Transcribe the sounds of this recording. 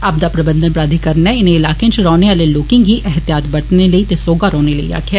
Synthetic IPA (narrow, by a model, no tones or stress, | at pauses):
ɐb̚d̪aːpɾəbə̃nd̪ənpɾaːd̪ʱikəɾnɛɪnẽɪlaːkẽt͡ʃɾɔːneaːleloːkɪ̃ŋɦiːʔɛɦət̪jaːt̪bəɽʈneləiːt̪esoːɡaɾɔːneləḭa̰ːkʰaː